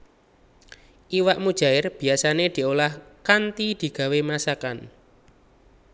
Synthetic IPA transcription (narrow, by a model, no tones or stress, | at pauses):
ʔiwaʔmud̥ʒ̥a̤ɪrb̥i̤asaned̪̥i̤olahkant̪id̪̥i̤ɡ̥a̤wemasakan